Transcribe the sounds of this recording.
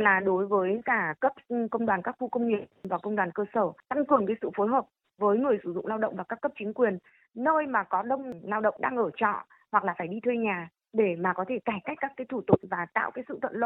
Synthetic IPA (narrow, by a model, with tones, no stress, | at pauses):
laː˨˩ɗo˨˦jvəː˨˦jkaː˧˩kə˦˥p̚kə˧wŋ͡mɗwaː˨˩nkaː˦˥k̚xu˧kə˧wŋ͡mŋi˨˩əp̚nvaː˨˩kə˧wŋ͡mɗwaː˨˩nkəː˧səː˧˩t̪a˧ŋkɨ˨˩əŋkaː˨˦jsɨ̰˧˨fo˨˦jɦəː˨˩p̚ | vəː˨˦jŋɨ˨˩əjsɨ˧˩zʊ̰˧˨ŋ͡mlaː˧wɗə̰˧˨ŋ͡mvaː˨˩kaː˦˥kːə˦˥p̚t͡ɕï˨˦ŋkwi˨˩ənː | əː˧jmaː˨˩kɔ˨˦ɗə˧wŋ͡mlaː˧wɗə̰˧˨ŋ͡mɗaː˧ŋʔəː˧˩t͡ɕɔ̰˧˨ | hwa˨˩k̚laː˨˩faː˧˩jɗi˧t̪ʰwe˧ɲaː˨˩ | ɗe˧˩maː˨˩kɔ˨˦t̪ʰe˧˩kaː˧˩jka˦˥k̟̚kaː˦˥kaː˨˦jt̪ʰu˧˩t̪ʊ˨˩k͡p̚vaː˨˩t̪a̰ː˧˨wkaː˨˦sɨ̰˧˨t̪ʰə̰˧˨nlo̰˧˨